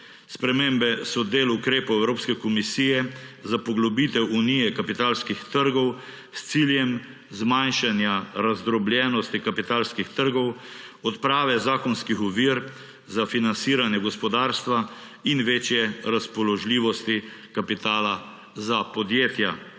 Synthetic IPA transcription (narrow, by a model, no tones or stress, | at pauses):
spɾɛmeːmbɛsɔd̪eːlukɾeːpɔwɛwɾoːpskɛkɔmisiːjɛzapɔɡlɔbit̪ɛwunijɛkapit̪aːlskixt̪əɾɡɔw | st̪siljɛm | zmajnʃanjaɾazd̪ɾɔbljɛːnɔst̪ikapit̪aːlskixt̪əɾɡɔwɔt̪pɾaːʋɛzaːkɔnskixɔʋiːɾ | zafinansiːɾanjɛɡɔspɔd̪aːɾst̪ʋa | inʋeːt͡ʃjɛɾaspɔlɔʒliːʋɔst̪ikapit̪aːla | zapɔd̪jeːt̪ja